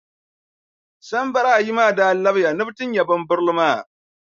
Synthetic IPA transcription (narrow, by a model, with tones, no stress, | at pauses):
sɐ˦mbɐ˨ɾa˦˨ji˦maː˦˨daː˦˨lːɐ˦bjaː˨nʊ˦btɪ˦ɲjɐ˨bɐ˦mbʊ˦ɾlmaː˦˨